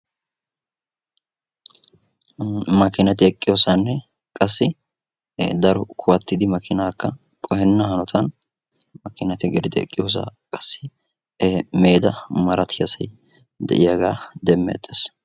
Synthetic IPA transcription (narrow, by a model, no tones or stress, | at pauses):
mɐkɪnɐt̪ɪɛkʼːɪjo̞ːsanːɛ | kʼɐsːɪ | d̪ɐɾɔkʰʊwɐt̪ːɪd̪ɪmɐkɪnaːkːɐ | kʼɔhɛnːɐhɐnɔt̪ʰɐn | mɐkːɪnɐt̪ɪɡɛɾɪd̪ɪɛ̰kʼːɪjo̞ːs̬a̰ːkʼɐ̥sːɪ | meːd̪ɐmɐɾɐt̪ʰɪjɐsɐj | d̪ɛ̰ʔɪjaɡaːd̪ɛmːḛt̪ʼːes